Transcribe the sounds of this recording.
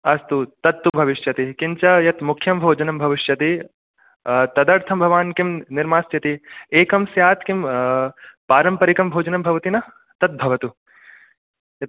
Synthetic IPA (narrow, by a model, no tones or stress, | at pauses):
ɐst̪ut̪ɐt̪ːubʱɐʋiʂjɐt̪ikint͡ʃɐjɐt̪mukʰːjɐmbʱoːd͡ʒɐnɐmbʱɐʋiʃjɐt̪i | t̪ɐd̪ɐɾt̪ʰɐmbʱɐʋaːnkimniɾmaːsjɐt̪ieːkɐmsjaːt̪kim | paːɾɐmpɐɾikɐmbʱoːd͡ʒɐnɐmbʱɐʋɐt̪inɐ | t̪ɐt̪̚bʱɐʋɐt̪u | jɐt̪